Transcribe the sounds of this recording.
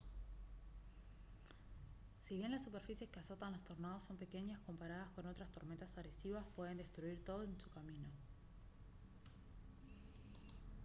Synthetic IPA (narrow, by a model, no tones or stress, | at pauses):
siβje̞nlasːupe̞ɾfisje̞skeaso̞t̪anlost̪o̞ɾnaðo̞sːo̞mpe̞ke̞ɲasko̞mpaɾaðasko̞no̞t̪ɾast̪o̞ɾment̪asaɣɾesiβaspwe̞ðe̞nd̪e̞st̪ɾuiɾt̪o̞ð̞oensu̥kamĩno̞